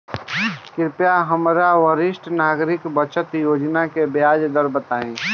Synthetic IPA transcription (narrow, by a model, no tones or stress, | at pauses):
kɪɾpjaɦəmɾawəɾɪsʈnaːɡɾɪkbət͡ʃət̪joːd͡ʒnakebjaːd͡ʒd̪əɾbət̪aːẽː